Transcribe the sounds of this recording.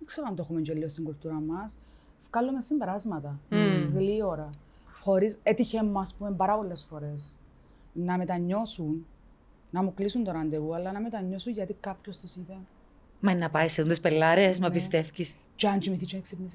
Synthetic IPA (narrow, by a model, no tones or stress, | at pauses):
ekse̞ɾoɐnd̪oeumeɲɟolːiost̪iŋɡult̪uɾɐmɐs | fkɐlːumesimbe̞ɾɐzmɐt̪ɐɣlioɾɐ | xo̞ɾiset̪içemːɐspumembɐɾɐpo̞lːe̞sfo̞ɾe̞s | nɐme̞t̪ɐɲːo̞sunː | ɐmuklisunt̪oɾɐnd̪eɣuɐlːɐnɐmet̪ɐɲːo̞suɲʝɐt̪ikɐpçost̪isipe | mɐinːɐpɐisːeðund̪espelːɐɾesmɐpist̪e̞fcis | t͡ʃɐnt͡ʃimiθit͡ʃineksipnis